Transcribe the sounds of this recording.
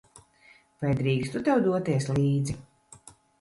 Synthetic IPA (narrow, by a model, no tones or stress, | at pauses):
vajd̪ɾiːkst̪ut̪ɛwd̪uɔt̪iɛsliːd̪zi